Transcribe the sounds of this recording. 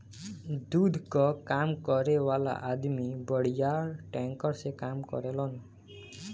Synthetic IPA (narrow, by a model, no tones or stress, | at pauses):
d̪ud̪ʱkɔkamkɔɾewala̰ʔad̪mibɔɽ̤ijaɾʈɛŋkɔɾsekamkɔ̰ɾelɔn